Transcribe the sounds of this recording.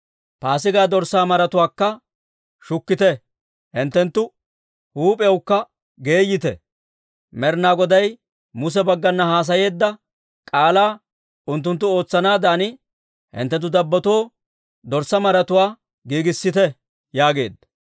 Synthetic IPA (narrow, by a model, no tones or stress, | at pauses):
paːsɪɡaːd̪ɔɾsːaːmɐɾɐt̪ʊwaːkːɐ | ʃʊkːɪt̪ɛ | hɪnt̪ːɛnt̪ːʊ | huːpʼɛwkːɐ | ɡe̞ːjːɪt̪ɛ̰ | mɛɾnaːɡɔd̪ɐj | mʊs̬ɛbɐɡːɐnːɐhaːs̬ɐje̞ːd̪ːɐ | kʼaːlaː | ʊnt̪ːʊnt̪ːʊo̞ːt͡sːɐnaːd̪aːnɪ | hɪ̰nt̪ːɛnt̪̬ːʊd̪ɐbːɐt̪oː | d̪ɔɾsɐmɐɾɐt̪ʊwaː | ɡiːɡɪsːɪt̪ɛ | jaːɡe̞̰ːd̪ːɐ